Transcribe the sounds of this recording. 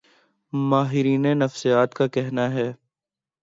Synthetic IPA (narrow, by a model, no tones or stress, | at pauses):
maːɦɪɾiːnenɐfsijaːt̪kakɛɦnaɦɛː